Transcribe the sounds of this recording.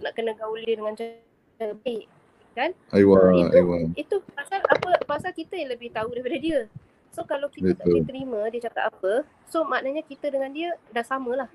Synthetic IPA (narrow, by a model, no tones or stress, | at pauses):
naʔkənə̃ɡaulidiədəŋant͡ʃa | aɾəbaɪʔ | kan | ajwaawait̪upasalʔapəpasalkit̪əjaŋləbɪht̪audaɾipadədiə | sokalawkibət̪olt̪əɾimə̃diət͡ʃakat̪apə | somaʔnəɲakit̪ədəŋãndiədaŋsamə̃lah